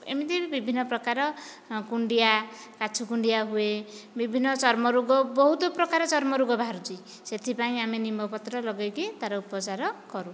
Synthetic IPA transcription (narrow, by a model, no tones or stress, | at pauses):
ḛmit̪ibibʱinːʌprʌkaɾɔ | kuɳɖijakat͡sʰukuɳɖijaɦuebibʱinːʌt͡sʌɾmʌɾuɡɔbɔɦut̪oprʌkaɾʌt͡sʌɾmʌɾuɡɔbʱaɾud͡zi | set̪ʰipaĩamenimbʌpʌt̪ɾʌlʌɡekit̪aɾɔupɔt͡saɾɔkʌɾu